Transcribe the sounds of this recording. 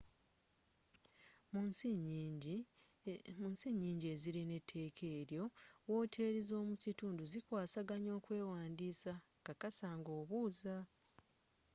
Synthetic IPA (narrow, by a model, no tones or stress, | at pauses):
m | munsiɲːiːɲɟie̞ziɾine̞tʰːe̞ːkʰe̞ːɾjo̞wo̞ːtʰe̞ːɾizo̞ːmucituːnduzikwaːsaɡaɲo̞ːkwe̞ːwaːndiːsa | kakasaŋɡo̞ːβuːza